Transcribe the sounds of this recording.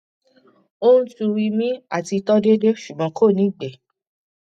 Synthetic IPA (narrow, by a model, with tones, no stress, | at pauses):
o˦nũ˦tu˧wi˧mĩ˦a˦˨ti˧tɔ˦de˦de˦ʃu˨ɡ͡bɔ̃˨˧˦kʰo˦˨nĩ˨˦˨ɡ͡bɛ˨